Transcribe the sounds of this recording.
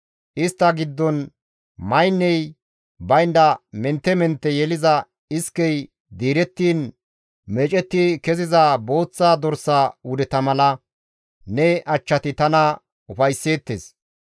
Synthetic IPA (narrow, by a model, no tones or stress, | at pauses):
ʔɪst̪ːɐɡɪd̪ːɔn | mɐjnːɛj | bɐjnd̪ɐmɛnt̪ːɛmɛnt̪ːɛjɛlɪzɐ | ɪskːɛj | d̪iːɾɛt̪ːiːn | mɛt͡ʃʼɛt̪ːikɛzɪzabo̞ːt͡sːaːd̪ɔɾsːaːwʊd̪ɛt̪ɐmɐlɐ | nɛʔɐt͡ʃːɐt̪ɪt̪ɐnɐ | ʊfɐjsːe̞ːt̪ːeːs